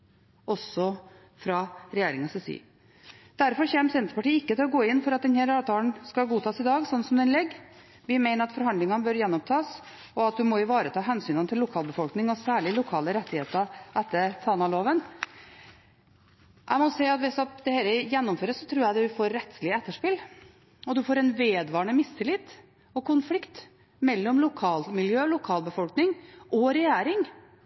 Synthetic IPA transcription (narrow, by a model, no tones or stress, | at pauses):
ʔɔsːɔ | fɾɑɾɛjeːɾɪŋɑsɛsḭː | d̪̥æɾfɔɾçɛːmsɛnt̪ɾəpɑʈiːɪkːət̪ʰɪlɔɡoːɪnːfɔɾɑt̪̚d̪ɛnhæːɾɑːʋt̪ʰɑːlnskɑɡuːt̪ʰɑːsɪd̪ɑːɡsɔnːsɔmd̪ɛnlɛɡː | ʋɪmæɪnəɾɑt̪fɔɾɦɑnd̪ɪŋɑnəbœɾjɛnːɔmt̪ʰɑːs | ɔɑt̪̚d̪ʉmɔjʊʋɑːɾət̪ʰɑːɦɛnsyːnɑnt̪ʰɪlːʊkʰɑːlbəfɔlknɪŋɔsæːɭɪlʊkʰɑːləɾɛt̪ːɪheːt̪əʔɛt̪ːət̪ʰɑːnɑloːʋən | ʔæ̰ɪmɔsɛɪɑt̪ʋɪsɔd̪ɛhɛːləjɛnːɔmføːɾəssɔt̪ʰɾuːɾjæɪd̪ʉfoːɾːɛt̪slɪəɛt̪ːəʂpɪl | ɔd̪ʉfoːɾɛnʋeːd̪ʋɑːɾɳəmɪst̪ːəlɪt̪ː | ɔkʰʊnflɪkt̪ | mɛlːɔmlʊkʰɑːlmɪljøːlʊkʰɑːlbəfɔlknɪŋʔɔɾɛjæːɾɪŋ